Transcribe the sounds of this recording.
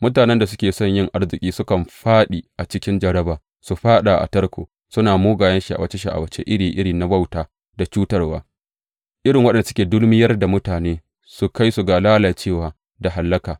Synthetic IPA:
mʊ˦t̬aː˨nɛ˦nda˨s̬ʊ˦kʲeː˨sɔ˦˨ɲjɪ˦ŋʔa˦rzɪ˨kʲʼiː˦sʊ˦kɐ˨mɸaː˦ɗi˨ʔa˨t͡ʃɪ˦kʲɪ˦nd͡ʒɐ˨ɽɐ˦baː˨ | su˨ɸaː˦ɗa˨ʔa̰˨tɐ˦rkʷʰo̰ː˨ | sʊ˦naː˨moː˦ɡaː˨jɐ˦nʃi˨ʔa̰˨wɐ˦t͡ʃe˦ʃi˨ʔa̰˨wɐ˦t͡ʃḛ˦ʔɪ˦ɽiː˨ʔɪ˦ɽiː˨na˦ba˦˨wtaː˦ | da˨t͡ʃuː˦tɐ˦rwa̰ː˦ | ʔɪ˦ɽɪ˨ŋwɐ˦ɗɛ˨nda˨sʊ˦kʲeː˨dʊ˦lmɪ˦jɐ˦rda˨mʊ˦taː˨neː˦ | su˨ka˦jsu˨ɡaː˨laː˦laː˨t͡ʃeː˦˨waː˨ | da˨ɦa˨lːɐ˦kaː˨

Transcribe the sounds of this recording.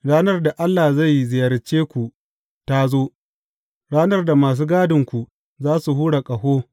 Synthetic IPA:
ɽaː˦nɐ˦rda˨ʔa˦lːaː˨za˦˨jzɪ˨jɐ˨rt͡ʃeː˦kʷu˨ | ta˦zoː˦ | ɽaː˦nɐ˦rda˨maː˨s̬uː˦ɡaː˦dɪ˨ŋkʷu˨ | zaː˦su˨ɦuː˦ɽa˨kʼɐ˨hoː˦

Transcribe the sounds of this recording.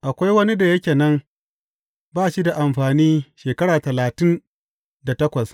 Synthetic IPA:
ʔa˨kʷa˦jwɐ˦ni˦da˨jɐ˦kʲeː˨nɐ˦m | baː˦ʃi˦da˨ʔa˨mɸaː˨niː˦ʃeː˨kɐ˦ɽaː˨tɐ˨laː˨tɪ˦n | da˨tɐ˦kʷɐ˨s

